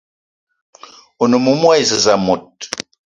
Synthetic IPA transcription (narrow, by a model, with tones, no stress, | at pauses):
o˨no˨mu˨mwa˦jzə˨za˨mo˨t̚